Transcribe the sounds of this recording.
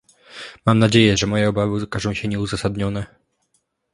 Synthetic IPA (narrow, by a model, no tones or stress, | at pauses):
mamnad͡ʑejɛʐɛmɔjɛɔbavɘɔkazɔ̃w̃ɕɛɲɛuzasad̪ɲɔnɛ